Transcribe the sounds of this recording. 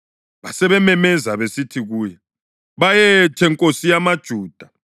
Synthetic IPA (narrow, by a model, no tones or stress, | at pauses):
βasɛβɛmɛmɛzaβesitʰiɣuːjɛ | βajɛtʰɛŋkʼosijamad̥ʒ̥ʱuːd̥ʱa